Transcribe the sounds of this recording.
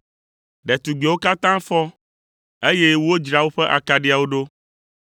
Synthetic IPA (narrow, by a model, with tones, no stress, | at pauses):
ɖɛ˨t̪u˨ɡ͡be˨wo˦ka˦t̪ã˦fɔ˦ | e˦je˦wo˦d͡ʒɾa˦wo˦ɸɛ˦ʔa̰˨ka˨ɖi˦a˨wo˦ɖo˦